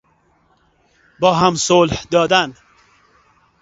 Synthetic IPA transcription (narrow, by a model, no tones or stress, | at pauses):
bɒːɦamsolhd̪ɒːd̪æn